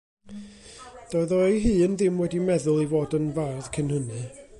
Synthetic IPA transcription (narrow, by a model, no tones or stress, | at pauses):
d̥ɔɨðɔjɦɨːənðɪmwɛdimɛðʊlˠivoːdənvarð̥kʰɪnhənɨ